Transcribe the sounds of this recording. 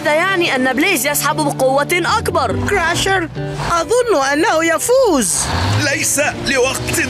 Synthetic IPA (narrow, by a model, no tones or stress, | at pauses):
aðaːjaʕniʔanːableːzjasħabbɪqʊwːaʔakbɑɾˤkɾaʃɪɾ | ʔɑðˤʊnːʔanːahʊjafuːzlajsalɪwɑqt̪